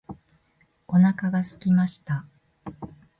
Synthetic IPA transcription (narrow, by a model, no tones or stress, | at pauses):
o̞nakaɡasɨ̥kʲimaɕi̥t̪a